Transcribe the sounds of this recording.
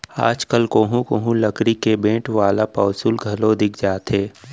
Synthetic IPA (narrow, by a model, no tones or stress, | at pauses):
a̰ːd͡ʒkəlkoːɦũkoːɦũlɐkɾikebẽːʈʋaːlapaːsulɡʱɐlod̪ɪkʰd͡ʒaːt̪eː